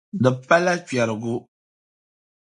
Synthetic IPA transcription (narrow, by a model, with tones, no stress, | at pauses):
dɨ˨pa˦la˦ki˨a˨ɾɨ˨ɡu˦